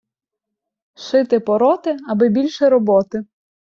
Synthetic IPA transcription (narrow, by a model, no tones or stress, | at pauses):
ʃɪt̪ɪpɔɾɔt̪ɪɐbɪbʲilʲʃɛɾɔbɔt̪ɪ